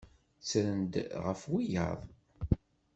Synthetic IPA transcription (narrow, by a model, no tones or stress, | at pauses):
t͡sɾənd̪ʁəfwijə̰ðˤ